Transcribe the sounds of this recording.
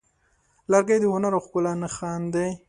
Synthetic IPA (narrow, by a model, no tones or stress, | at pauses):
laɾɡajd̪əhʊnaɾaxkʊlɑnaxɑnd̪ej